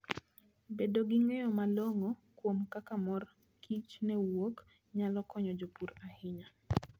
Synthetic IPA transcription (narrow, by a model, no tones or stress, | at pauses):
bedoɡiŋejɔmaloŋokwomkakamɔr | kʰit͡ʃnɛwok | ɲalɔkɔɲɔd͡ʒopuɾahɪɲa